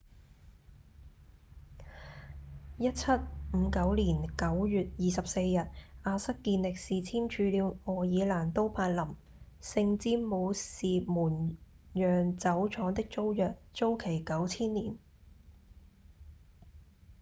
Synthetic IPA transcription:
jɐ˥t̚t͡sʰɐ˥t̚m̩˨˧kɐ˨˥wliː˨˩nkɐ˨˥wjyː˨t̚jiː˨˩sɐ˨p̚se˧jːɐ˨t̚ʔaː˧sɐ˥kːiː˧nlɪ˨k̚siː˨t͡sʰiː˥mt͡ʃʰyː˨˧liː˨˧wŋɔː˨˩jiː˨˧laː˨˩nt̪o˥wpʰaː˧t̚lɐ˨˩m | sɪ˧ŋt͡siː˥mo˨˧wsiː˨muː˨˩n | jœː˨ŋt͡sɐ˨˥wt͡ʃʰɔː˨˧˥ŋt̪ɪ˥k̚t͡so˥wjœː˨k̚t͡so˥wkʰe˨˩jkɐ˨˥wt͡sʰiː˥nliː˨˩n

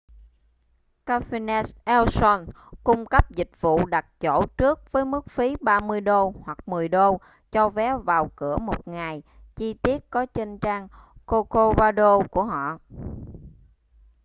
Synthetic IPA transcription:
kaː˧fi˧nɛ˦˥sʔɛ˧wsɔ˧n | kʊ˧ŋ͡mkə˦˥p̚zï˨˩k̟̚vṵ˧˨ɗa˨˩t̚t͡ɕo̰˧˩t͡ɕɨ˦˥ək̚vəː˨˦jmɨ˦˥k̚fi˨˦ɓaː˧mɨ˧əjɗo˧hwa˨˩k̚mɨ˨˩əjɗo˧ | t͡ɕɔ˧vɛ˨˦vaː˨˩wkɨ˧˩əmo˨˩t̚ŋa˨˩j | t͡ɕi˧t̪i˦˥ət̚kɔ˨˦t͡ɕə˧nt͡ɕaː˧ŋko˧ko˧zaː˧ɗo˧ku˧˩əɦɔ̰˧˨

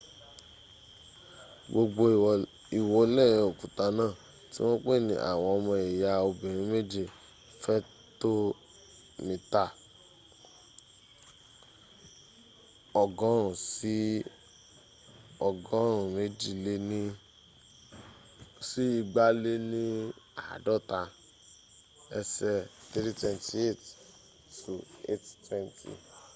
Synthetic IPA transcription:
ɡ͡bo˧ɡ͡bo˧˨ | i˨wo˧˦lɛ˦˨ɾ̃ĩ˧o˨kũ˨ta˧˦nãː˦˨ | ti˦w̃ɔ̃˦k͡pe˦˨nḭ̃˨ʔa̰˨w̃ɔ̃˧ɔ˧mɔ̃˧e˨ja˧o˧bĩ˨ɾ̃ĩ˨˦me˦d͡ʒi˦˨ | fɛ˦ | to˦ | mĩ˨ta˦˨ | ɔ˨ɡɔ̃˨˦ɾ̃ũ˨si˨˦ | ɔ˨ɡɔ̃˦ɾ̃ũ˨me˨˦d͡ʒi˦˨le˧nĩ˦ | si˦i˧ɡ͡ba˦le˦nĩ˦a˨a̰˨dɔ˦˨ta˧ | ɛ˧sɛ˧t̪e˦ɾi˦twɛ˧nti˧˦e˦˨t | tu˨e˦˨ttwɛ˦˧ntʰḭ˨

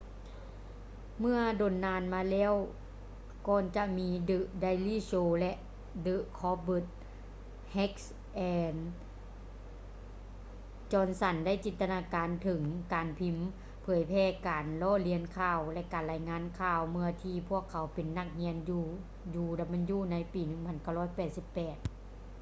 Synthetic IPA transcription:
mɯ˧ɐdoː˨˩nːaː˧nmaː˧lɛː˧˥˨w | kɔː˧nt͡ɕa˧miː˧˥dɯ˧ʔda˧jliː˧˥˩soː˧˩lɛ˧ʔ | dɯ˧ʔkʰɔː˧bɯ˧˩t̪̚ | hɛ˦˥k̚s | ʔɛː˧n | t͡ɕɔː˧˩nsa˧˩nda˥˩jt͡ɕi˨˦nt̪a˧naː˧kaː˨nt̪ʰɯ˨˩˦ŋkaː˨˩npʰi˧˥m | pʰɤː˨˩˦jpʰɛː˧˩kaː˨nlɔː˧˥˨li˧ənkʰaː˧˩wlɛ˧ʔkaː˨˩nla˧jŋaː˧˥˨nkʰaː˧˩wmɯ˧ɐt̪ʰiː˧pʰu˧˥˩əkʰːa˨˦wpe˨˩nːa˧˩k̚hi˧˥ənjuː˧ | juː˧da˧˩ma˧njuː˧˩na˧˥jpiː˨nɯ˧˩ŋpʰa˧˥nka˧˥˩wlɔː˧˥˩jpɛː˨˩t̪̚si˧˦pːɛː˨˩t̪̚

